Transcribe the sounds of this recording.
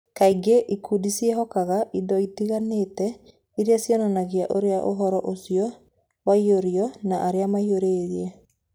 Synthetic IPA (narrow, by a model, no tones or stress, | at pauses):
kaiɡeʔikʰudisiɛɦɔkaɣaʔidɔitiɣanetɛ | iɾeasjɔnɔnaɣiaʔoɾeaʔoɦɔɾɔʔosijɔ | waioɾiɔnaʔaɾeamaioɾeːɾiɛ